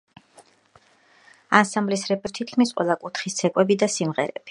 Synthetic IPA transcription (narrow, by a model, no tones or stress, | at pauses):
ansamblisɾɛpʼɛɾt̪ʰit̪kʰmisqʼwɛ̰lˠakʼut̪χist̪sʰɛkʼwɛbid̪asimʁɛɾɛ̰b̥i̥